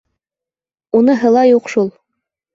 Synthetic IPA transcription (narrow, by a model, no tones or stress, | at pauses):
unɤɦɤ̆lˠɑjuqʃulˠ